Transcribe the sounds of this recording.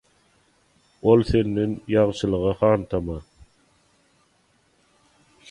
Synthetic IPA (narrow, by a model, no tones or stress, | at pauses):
olˠθe̞nd̪enjɑʁʃɯlˠɯʁɑhɑːnt̪ʰɑmɑ